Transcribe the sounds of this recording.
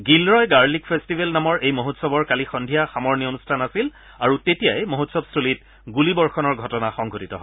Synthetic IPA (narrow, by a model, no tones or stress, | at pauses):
ɡilɹɔjɡaɹlik̚pʰestibʱelnamɔɹejmoɦotsɔbɔɹkalixɔndʱijaxamɔɹnionustʰanasil | aɹutetijajmoɦotsɔbstʰulit̚ | ɡulibɔɹxɔnɔɹɡʱɔtɔnaxɔŋɡʱotitɔ̰ɦɔj